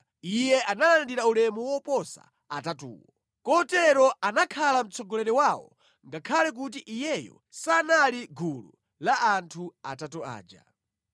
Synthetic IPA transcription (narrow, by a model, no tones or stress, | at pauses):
ijɛʔanalandiɾaulɛmɔwɔpɔsa̰ | atatṵːwɔ | kɔtɛɾɔʔanakʰalam̩t͡sʰɔɡɔlɛɾɛwawɔ̰ | ŋɡakʰalɛk̬ut̬iʔijɛjɔ̰ | sanaliɡʱulṵ | laʔantʰua̰tatua̰ːd͡ʒa̰